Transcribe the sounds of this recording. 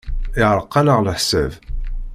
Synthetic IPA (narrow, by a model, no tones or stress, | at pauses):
ɪʕɾˤəqːɑnəʁləħsæ̰v